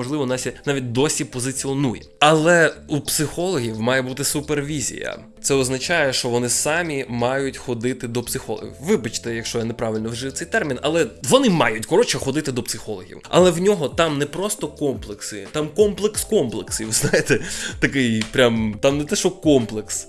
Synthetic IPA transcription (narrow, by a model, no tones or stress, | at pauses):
ɔʒlˠɪʋɔnɑsʲɛnaʋʲit̚ʲd̪ɔsʲipɔzɪt͡sʲiɔnujɛ̰ɐlˠɛupsɪxɔlˠɔɦʲiwmɑjɛbut̪ɪsʊperʋʲizʲḭjɐ̰ | sɛɔznɐt͡ʃajɛʃt͡ʃɔʋɔnɪsɑmʲimɑjʊtʲxɔd̪ɪt̪ɪd̪ɔpsɪxɔlˠɔ̰ɦʲḭwʋɪbɐt͡ʃt̪ɛjɐkʃt͡ʃɔjanɛpɾɑʋɪlʲnɔwʒɪwt̪ɛjt̪ɛrmʲinɐ̰lˠɛʋɔnɪmɑ̰jʊtʲkɔɾɔt͡ʃɛxɔd̪ɪt̪ɪd̪ɔpsɪxɔlˠɔɦʲḭwʔɐ̰lˠɛwnʲɔɦɔt̪ɑmnɛpɾɔst̪ɔkɔmplˠeksɪt̪ɑmkɔmplˠekskɔmplˠeksiʋɪznɑjet̪ɛt̪ɐkɪjpɾʲamt̪amnɛt̪ɛʃɔkɔmplˠeks